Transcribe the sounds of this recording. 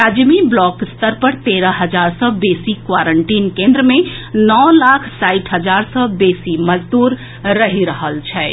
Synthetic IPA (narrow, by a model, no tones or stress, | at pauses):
ɾad͡ʒmiblɔkst̪əɾpəɽt̪eɾəɦəd͡ʒaɾsəbesikʋaɾəɳʈinkẽnd̪ɾəmenɔlakʰsaɪʈʰɦəd͡ʒaɾsəbesiməd͡ʒd̪uɾ | ɾəɦiɾəɦəlt͡ʃʰɛ